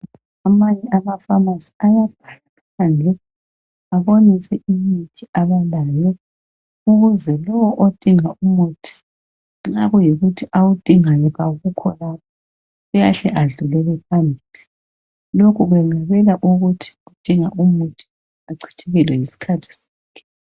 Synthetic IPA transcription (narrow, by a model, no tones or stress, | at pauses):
amaɲɛʔamafamasi̥ajapʰḁla | pʰand͡ɮʱɛ | aβonisɛʔimitʰiaβalaːjɔ | uɣuzɛlɔwɔʔod̥ʼʱiŋaʔumutʰi̥ | ŋ͡ǀaɣujiɣutʰiʔawud̥ʼʱiŋajɔɣaɣukʰɔlapʰḁ | ɣujaɬɛʔaɮulɛlɛpʰambʱili | lokʰuɣwɛŋ͡ǀaβɛlaʔuɣutʰi̥ɣud̥ʼʱiŋaʔumutʰi̥ | aǀʰi̥tʰiɣɛlwɛisi̥kʰatʰi̥sḁːkʰɛ̥